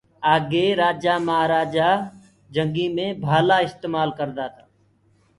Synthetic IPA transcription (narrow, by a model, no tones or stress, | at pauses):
aːɡeːɾaːd͡ʒaːmaaːɾaːd͡ʒaː | d͡ʒəŋɡĩːmẽːbʱaːlaːɪst̪eːmaːlkəɾd̪aːt̪ʰaː